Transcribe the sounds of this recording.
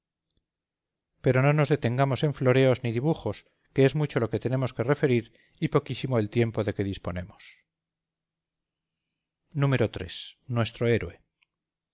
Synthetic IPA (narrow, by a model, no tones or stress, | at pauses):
pe̞ɾo̞no̞no̞zðe̞t̪e̞ŋɡamo̞se̞ɱflo̞ɾe̞o̞zniðiβ̞uχo̞s | keezmut͡ʃo̞lo̞ket̪e̞nẽ̞mo̞ske̞re̞fe̞ɾiɾ | ipo̞kisimoelt̪je̞mpo̞ðe̞ke̞ðispo̞ne̞mos | nũme̞ɾo̞t̪ɾḛsnwe̞st̪ɾo̞eɾwe̞